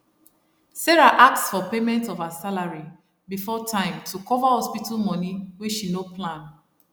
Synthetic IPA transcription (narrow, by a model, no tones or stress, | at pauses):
sɛɹaʔak̚tsfɔpemɛ̃ntɔfasalaɹi | bifɔtʰãɪ̃mtʰukɔvahɔspitalmɔ̃niwiʃinoplãn